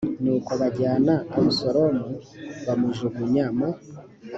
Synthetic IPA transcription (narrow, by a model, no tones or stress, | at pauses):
nuːkoβaɟaːnaamusoɾomuβamuʒuɡuɲama